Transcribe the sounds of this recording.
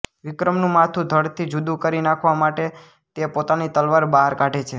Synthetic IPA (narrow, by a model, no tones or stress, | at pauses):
ʋɪkɾəmnũmat̪ʰũd̪ʱəɽt̪ʰid͡ʒud̪ũkəɾinakʰʋamaʈe | t̪epot̪anit̪əlʋaɾbaɦəɾkaʈet͡ʃʰe